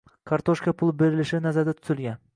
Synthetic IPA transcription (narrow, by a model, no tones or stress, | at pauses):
kʰaɾt̪ʰoʃkapʰʊlˠbe̞ɾɪlɪʃɪnazaɾd̪at̪ʰʊ̥zɪlˠɡʲan